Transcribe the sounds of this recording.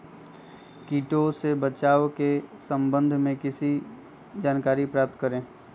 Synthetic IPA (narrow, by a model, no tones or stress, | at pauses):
kiːʈosebət͡ʃaːʋkesə̃mbə̃nd̪ʱmẽkɪsi | d͡ʒaːnkaːɾipɾaːp̚t̪kəɾẽː